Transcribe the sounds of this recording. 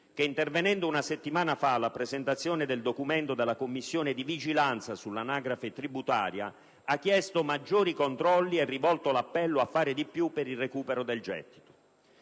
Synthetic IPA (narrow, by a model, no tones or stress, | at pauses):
k̟eint̪ervenɛnd̪oʊunaset̪ːimaːnafalapɾezent̪at̪sːjoːned̪eld̪okument̪od̪elːakomːisːjoːned̪ivid͡ʒilant̪sasulːanaːɡɾafet̪ɾibut̪a̰ːɾja̰ | akːjɛst̪omad͡ʒːoːɾikont̪ɾɔlːiɛrːivɔlt̪olapːɛlːoafːaːɾɪd̪ipjupːeɾilrːekuːpɛɾod̪eld͡ʒɛ̰t̪ːi̥t̪o̥